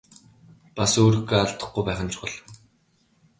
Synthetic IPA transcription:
pasoːɾĭxɡeaɬt̪ə̆χɡujpæːχə̆nt͡ɕʰʊ̥χə̆ɮ

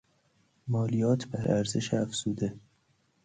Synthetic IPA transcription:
mɒːlijɒːt̪ʰbæɾʔæɾzeʃeæfz̥uːd̪e

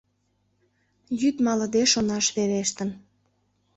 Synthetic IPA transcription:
jyt̪mɑləd̪eʃonɑʃβeɾeʃt̪ən

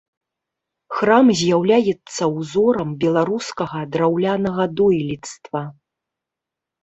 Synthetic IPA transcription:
xramzʲjawlʲajɛt̪sːɐwzɔɾɐmbʲɛlˠaɾuskɐɣɐd̪ɾawlʲanɐɣɐd̪ɔjlʲit̪st̪vɐ

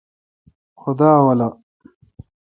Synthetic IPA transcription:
xʊd̪aːwɐlɐ

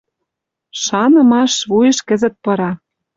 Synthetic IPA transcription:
ʃɑnɤ̆mɑʃβujɤ̆ʃkɘ̆zə̆t̪̚pɤ̆ɾɑ

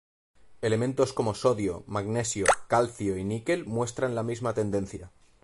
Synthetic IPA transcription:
e̞le̞mẽnt̪o̞sko̞mo̞so̞ðjomaɡne̞sjokalθjoinike̞lmwe̞st̪ɾanlamizmat̪e̞nd̪e̞nθja

